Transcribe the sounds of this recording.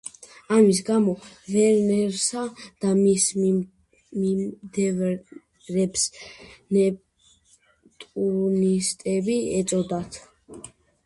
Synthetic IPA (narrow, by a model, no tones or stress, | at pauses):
amis̬ɡamɔvɛɾnɛɾsad̪̥amis | mid̪ɛv | ɾɛpsnɛ | t̪ʼuɾnist̪ʼɛbiɛt̪sʼɔd̪at̪ʰ